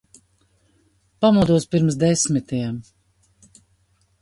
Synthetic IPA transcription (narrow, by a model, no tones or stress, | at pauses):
pamud̪uɔspiɾms̬d̪ɛsmit̪ijɛm